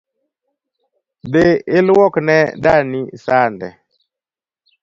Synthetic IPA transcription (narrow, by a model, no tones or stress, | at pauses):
d̪eɪlwɔknɛdanisandɛ̰